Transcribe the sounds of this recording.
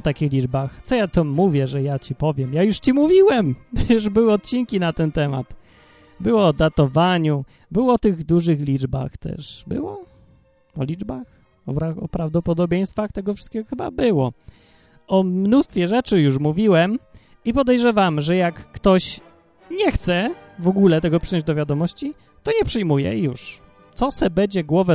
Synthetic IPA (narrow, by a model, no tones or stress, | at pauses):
ɔt̪akʲixlʲid͡ʐbaxt̪sɔjat̪ɔmuvʲjɛʐɛjat͡ɕipɔvʲjɛmjajuʂt͡ɕimuvʲiwɛmjuʐbɘwɘɔt̪̚t͡ɕiŋkʲinat̪ɛnt̪ɛma̰t̪ | bɘwɔːd̪at̪ɔvaɲu | bɘwɔɔt̪ɘɣd̪uʐɘxlʲid͡ʐba̰xt̪ɛ̰ʂbɘ̰wɔ | ɔlʲid͡ʐbax | ɔɾaɔpɾavd̪ɔpɔd̪ɔbʲjej̃st̪faxt̪ɛɡɔfʂɨ̥st̪kʲɛɡɔxɘba̰bɘwɔ | ɔmnust̪fʲjɛʐɛt͡ʂɘjuʂmuvʲiwɛm | ipɔd̪ɛjʐɛvamʐɛjakːt̪ɔɕ | ɲɛxt̪sɛvɔɡulɛt̪ɛɡɔpʂɘjɔ̃ɲd͡ʑd̪ɔvʲjad̪ɔmɔɕt͡ɕi | t̪ɔɲɛpʂɘjmujɛ̰juʂ | t̪sɔsɛbɛd͡ʑɛɡwɔvɛ